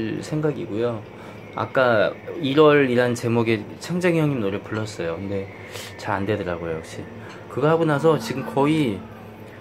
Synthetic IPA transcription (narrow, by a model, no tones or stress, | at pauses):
ɭsʰe̞ŋɡaɡiɡujo | a̰k͈aiɾʌɾiɾant͡ɕe̞moɡe | t͡ɕʰaŋd͡ʑeŋjʌŋɲimnoɾepuɭːʌs͈ʌjokɯnde̞ | t͡ɕaɾande̞dʌɾaɡojojʌk̚ɕ͈i | kɯɡʌhaɡonas̬ʰʌt͡ɕiɡɯmkʌi